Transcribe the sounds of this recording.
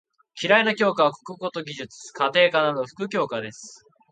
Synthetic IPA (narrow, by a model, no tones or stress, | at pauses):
kʲʰiɾainakʲo̞ːkaβako̥kɯ̟ɡo̞t̪o̞ɡʲiʑɨt͡sɨ̥kat̪e̞ːkanad̪o̞ɸɯ̟̥kɯ̟kʲo̞ːkad̪e̞sɨ̥